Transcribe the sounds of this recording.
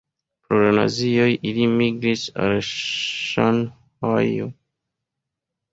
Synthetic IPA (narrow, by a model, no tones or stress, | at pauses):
pɾoɾana̰ziojʔilimiɡɾisa̰lʃan | hajo̰